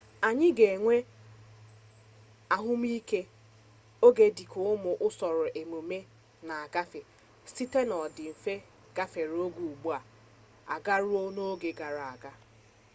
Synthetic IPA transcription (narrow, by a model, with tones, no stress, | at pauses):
a˨ɲɪ˦ɡe˨ŋʷe˦ | a˦˨ɦʊ˦m˦i˦ke˦ | o˦ɡe˦di˨kʰo˦ʊ˦mʊ˨ʔʊ˦sɔ˨ɾʊ˨ʔe˨mo˨me˦ | na˨a˨ɡa˦fe˨ | si˦te˦nɔ˨dɪ˨m̩˨fe˦ | ɡ̥a˦fe˨ɾo˦ɡʷu˨u˨ɡ͡bu˦a˨ | a̰˨ɡa˦ɾʊ˦o˦no˦ɡe˨ɡa˨ɾa˨a˨ɡa˦